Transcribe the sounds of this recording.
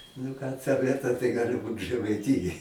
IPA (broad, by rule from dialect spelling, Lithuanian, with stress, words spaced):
nʊ ˈkɑː ˈtɐ ˈʋʲiɛtɐ tɐɪ ˈɡɑːlʲɪ ˈbuːt ʒɜmɐɪˈtʲɪjoːj